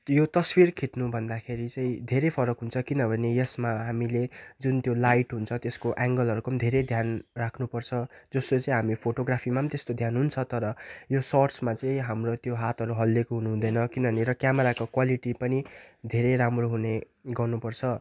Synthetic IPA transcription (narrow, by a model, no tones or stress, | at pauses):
jot̪ʌswirkʰit̪nubʱʌnd̪akʰeɾit͡sʌĩd̪ʱeɾepʰʌɾʌkɦunt͡sʰʌkinʌbʱʌnejʌsmaɦamiled͡zunt̪jolajʈɦunt͡sʰʌt̪eskoʔaŋɡʌlɦʌɾukomd̪ʱeɾed̪ʱjanrakʰnupʌrt͡sʰʌd͡zʌst̪ot͡sʌ̃ĩɦamipʰoʈoɡɾapʰimamt̪est̪od̪ʱjanɦunt͡sʰʌt̪ʌɾʌjosʌrsmat͡sʌĩɦamrot̪joɦat̪ɦʌɾuɦʌlːekoɦunuɦũd̪ʌjnʌkinʌbʌneɾʌkjameɾakokwaliʈipʌnid̪ʱeɾeɾamroɦune | ɡʌrnupʌrt͡sʰʌ